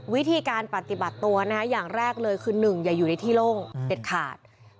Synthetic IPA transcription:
wi˦˥t̪ʰiː˧kaː˧npɾa˨˩t̪i˨˩ba˨˩t̪ːu˧ɐna˦˥kʰa˦˥jaː˨˩ŋɾɛː˥˩k̚lɤː˧jkʰɯː˧nɯ˨˩ŋja˨˩juː˨˩na˧jt̪ʰiː˥˩loː˥˩ŋse˨˩t̪̚kʰaː˨˩t̪̚

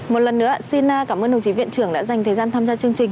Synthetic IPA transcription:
mo˨˩t̚lə˨˩nːɨ̰˧˥əsi˧naː˧kaː˧˩məː˧nɗə˨˩wt͡ɕi˨˦vḭ˧˨ənt͡ɕɨ˧˩əŋɗa̰ː˧˥za˨˩jŋ̟t̪ʰəː˨˩jzaː˧nt̪ʰaː˧mzaː˧t͡ɕɨ˧əŋt͡ɕï˨˩ŋ̟

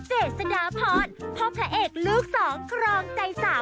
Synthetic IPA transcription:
t͡ɕeː˨˩t̪̚sa˧naː˨˦pʰɔː˧˥npʰo˦˥p̚t̪ʰa˦˥ʔeː˨˩k̚luː˦˥k̚sɔː˩˦ŋkʰɾɔː˧ŋt͡ɕa˧jsaː˩˦w

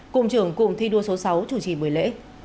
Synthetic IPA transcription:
kʊ̰˧˨ŋ͡mt͡ɕɨ˧˩əŋkʊ̰˧˨ŋ͡mt̪ʰi˧ɗu˧əso˨˦sa˨˦wt͡ɕu˧˩t͡ɕḭ˧˩ɓɨ˨˩əjlḛ˧˥

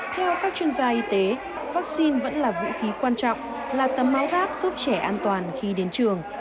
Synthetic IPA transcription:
t̪ʰɛ˧wkaː˦˥k̚t͡ɕwi˧ənzaː˧ʔi˧t̪e˨˦ | vaː˦˥k̚si˧nvə̰˧˥nlaː˨˩vṵ˧˥xi˨˦kwaː˧nt͡ɕɔ̰˧˨wŋ͡m | laː˨˩t̪ə˨˩mːaː˨˦wzaː˦˥p̚z̥u˦˥p̚t͡ɕɛ˧˩ʔaː˧nt̪waː˨˩nxi˧ɗe˨˦nt͡ɕɨ˨˩əŋ

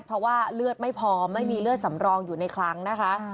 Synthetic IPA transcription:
tpʰɔ˧˥waː˥˩lɯ˥˩ət̪̚ma˥˩jpʰɔː˧ma˥˩jmiː˧lɯ˥˩ət̪̚sa˩˦mɾɔː˧ŋjuː˨˩na˧jkʰɾa˦˥ŋna˦˥kʰa˦˥ʔ

